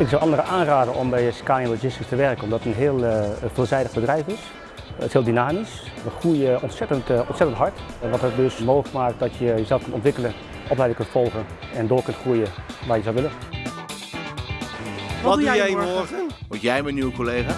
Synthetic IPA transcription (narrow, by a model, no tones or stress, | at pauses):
ɪksɔwʔɑndərəʔaːnraːdəɔmbɛjəskaːniɛnlod͡ʒɪskətəʋɛrkənɔmdɔtənɦɪəlˠfɪlˠzɛjdəɣbədrɛjfɪs | ə̰thɪːlˠdynaːmisətxruəjəɔntsɛtəntɔntsɛtəntɦɑɹtʋɔtət̚døsmoːxləkmaːk̚t̚dɔtjəjəzɛlˠfkøntɔntʋɪkələn | ʔɔp̬lɛjdɪ̃ŋkøntfɔlˠɣən | ɛndoːkɵntxruəjəʋaːjəzɔlʋɪlən | ʋɔddujɛoəʋotjɛjmɛnywkoleːɣa